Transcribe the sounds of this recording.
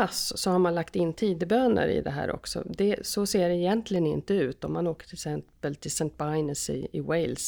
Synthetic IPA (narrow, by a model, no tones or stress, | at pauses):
assɔhaɾmanlakt̪ɪnːt̪ʰiːd̪əbøːnə̰ɾɪ̰d̪ɛɦæ̰ːɾʔɔ̰ksɔ̰d̪ɛsɔseːɖɛɪjɛnt̪lɪɡənɪnt̪əʉ̟ːt̪ɔmːanoːkə̥ʈʰɪlsɛnpəlt̪ʰɪlsɛnt̪̚baɪnəsɪ̰ɪwɛɪls